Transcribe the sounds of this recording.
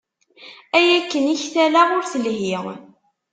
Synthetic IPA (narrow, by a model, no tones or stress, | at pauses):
æjækːəniçθælaʁʊɾθəlhiʁ